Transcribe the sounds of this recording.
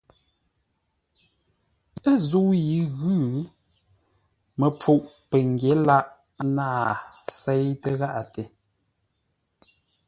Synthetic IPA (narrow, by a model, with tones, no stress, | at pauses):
ə˦zu˦ji˨˦ɣʉː˦ | mə˨p͡fu˦˨ʔpə˨ŋ˨ɡje˨˦la˦ʔ | naː˦˨˦ | sɛ˦jtə˦ɣa˦ʔa˨te˨